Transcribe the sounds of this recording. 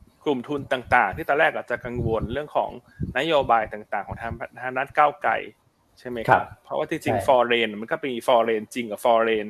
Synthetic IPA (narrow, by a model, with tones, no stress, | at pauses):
klu˨˩mt̪ʰu˧nt̪aː˨˩ŋt̪aː˨˩ŋt̪ʰiː˥˩t̪ɔː˧lɛː˥˩k̚ʔaː˨˩t͡ɕa˨˩ka˧ŋwo˧nɾɯ˥˩əŋkʰɔ̰ː˩˦ŋ | na˦˥joː˧baː˧jt̪aː˨˩ŋt̪aː˨˩ŋkʰɔː˩˦ŋt̪ʰa˧˥aː˧˥naː˦˥˩t̪̚kaː˥˩wkla̰˧j | t͡ɕʰa˥˩jma˦˥jkʰpʰɾɔ˦˥waː˥˩iː˧˩t͡ɕi˧ŋfɔː˧ɾeː˧n˨˩ma˧nkɔ˥˩piː˧fɔː˧ɾeː˧nt͡ɕi˧ŋka˨˩fɔː˧ɾeː˧n